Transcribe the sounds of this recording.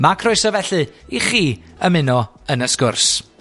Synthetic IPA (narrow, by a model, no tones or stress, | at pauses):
makʰrʊɨsɔvɛɬɨiχiː | əmɪnɔ | ənəskʊrs